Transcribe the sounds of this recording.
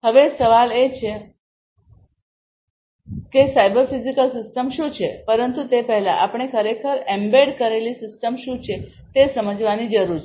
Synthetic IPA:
ɦəʋesəʋalet͡ɕʰe | kesajbəɾfizikəlsisʈəmɕũːt͡ɕʰepəɾənt̪ut̪epəɦla̰ʔapɽɳ̃ekʰəɾekʰəɾembeɽkəɾeliːsisʈəmɕũt͡ɕʰe | t̪esəməd͡ʑʋaniːd͡ʒəɾuɾt͡ʃʰe

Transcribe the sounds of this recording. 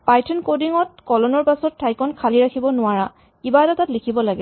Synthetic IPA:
pajtʰɔnkodiŋɔt̚kɔlɔnɔɹpasɔtʰːajkɔnkʰaliɹakʰibɔnʊaɹa | kibaɛtatatlikʰibɔlaɡɛ

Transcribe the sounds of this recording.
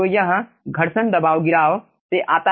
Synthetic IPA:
ojɐɦɐ | ɡʱɐɽsɐnd̪ɐbaːʋɡɪɾaːʋ | t̪eʔaːt̪a

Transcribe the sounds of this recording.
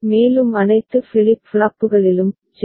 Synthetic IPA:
meːlɯmɐnɐɪt̪ːɯfɪlɪpːfɭaːpːɯɣɐɭɪlɯm | t͡ʃ

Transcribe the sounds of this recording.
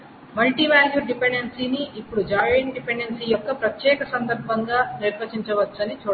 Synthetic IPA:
mɐlʈiʋaːljuɖipeɳɖensiːniʔːpːuɽud͡ʒaːɽeɳʈɖipeɳɖensijɔkːɐpɾɐt̪jɛːkɐsɐnd̪ɐɾbʱɐŋɡaːniɾɐt͡ʃiɲt͡ʃɐʋɐt͡ʃːɐnit͡ʃuː

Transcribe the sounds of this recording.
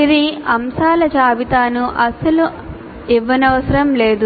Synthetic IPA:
iɾiɐmsaːlɐt͡ʃaːʋit̪aːnuʔɐsɐlu | iʋːɐnɐʋɐsɐɾɐmleːd̪u

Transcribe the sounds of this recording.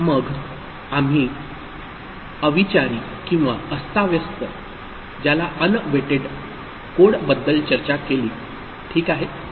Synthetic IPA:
məɡ | am̤iː | əʋit͡ɕaɾiː | kĩw̃ʋaəst̪aʋjəst̪ə | d͡ʑalaʔənʋeʈeɖ | koɽbəd̪ːəlt͡ɕəɾt͡ɕakeliː | ʈʰiːkaɦe

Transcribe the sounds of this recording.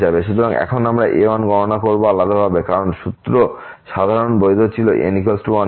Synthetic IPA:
d͡ʑabeʃut̪ʰoɾaŋɛ̰kʰonamɾaʔeɔnɡɔɾonakoɾboalːad̪ʱobʱabekaɾonʃut̪ɾo | ʃad̪ʱaɾonbojd̪ʱot͡ɕʰiloʔḛnikolsʈuɔn

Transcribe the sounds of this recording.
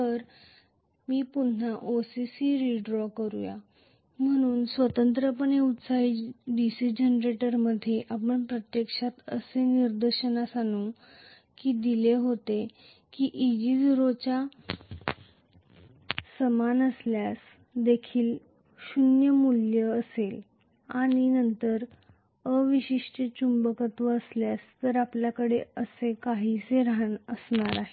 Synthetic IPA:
t̪əɾ | miːpunnaʔosisiɾiɖɾɔkəɾṵja̰ | m̤əɽ̃uːnsʋət̪ənt̪ɾəpəneut̪saiɖisid͡ʑenɾeʈəɾməd̪ʱːjeʔapəɳpɾət̪jekʂat̪ə̰seniɾd̪əɾɕənasanu | kiːd̪ileɦot̪e | kiʔid͡ʑid͡ziɾot͡ɕa | səmanəsljas | d̪ekʰiːl | ɕunjəmuljəːsel | aɽinənt̪əɾ | əʋiɕiʂʈət͡ɕumbəkət̪ʋəːsljast̪əɾapljakəɽeəsekaɦiseɾaɦnəsɳaɾaɦe

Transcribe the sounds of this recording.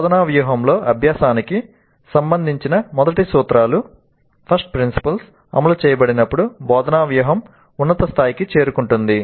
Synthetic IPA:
bɔːd̪ɐnaːʋjuːɦɐmlo̞ːʔɐbʱjaːsaːniki | sɐmbɐnd̪ʱiɲt͡ʃinɐmɔd̪ɐʈisuːt̪ɾaːlu | pʰɐɾsʈ̚pɾinsi̥pɐls | ɐ̰mɐlut͡ʃɛːjɐbɐɽinɐpːuɽubɔːd̪ɐnaːʋjuːɦɐm | unːɐt̪ɐst̪ʰaːjikit͡ʃe̞ːɾukuɳʈund̪i

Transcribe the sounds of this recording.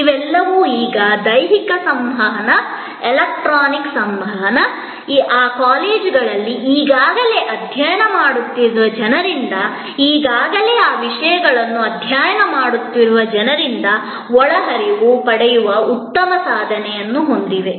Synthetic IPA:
iʋɛlːɐʋuːiːɡɐd̪ɐjɦikɐsɐmbʱɐɦɐnɐ | elɐk̚ʈɾaːniksɐmbʱɐɦɐnɐ | iʔaːkaːleːd͡ʒɡɐɭɐlːiʔiːɡaːɡɐle̞ːʔɐd̪ʱjaːjɐnɐmaːɽut̪ːiɾuʋɐd͡ʒɐnɐɾind̪ɐ | iːɡaːɡɐle̞ːaːʋiʂɐjɐɡɐɭɐnːuɐd̪ʱjaːjɐnɐmaːɽut̪ːiɾuʋɐd͡ʒɐnɐɾind̪ɐ | ɔɭɐɦɐɾiʋupɐɽɛjuʋɐut̪ːɐmɐsaːd̪ʱɐnɛjɐnːuɦo̞nd̪iʋe̞

